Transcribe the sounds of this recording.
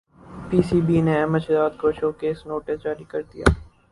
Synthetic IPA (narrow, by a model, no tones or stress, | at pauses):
piːsiːbiːnẽɛːməʃzaːd̪koːʃoːkeːsnoːʈɪsd͡ʒaːɾikəɾd̪ija̰ː